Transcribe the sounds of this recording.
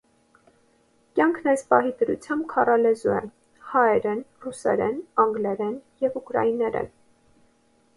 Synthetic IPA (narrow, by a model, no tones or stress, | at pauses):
kjɑŋkʰnɛjspɑɦid̪əɾṵt͡sʰjɑmb̚kʰɑrɑlɛzuɛ̰ | hɑɛɾɛnrusɛ̰ɾɛnɑŋɡlɛɾɛnjɛvukɾɑ̰inɛɾɛ̰n